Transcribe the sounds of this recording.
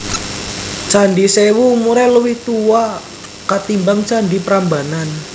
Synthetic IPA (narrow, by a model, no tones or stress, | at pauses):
t͡ʃanɖisewumuɾɛləwɪht̪uwa | kat̪imbaŋt͡ʃandipəɾambanan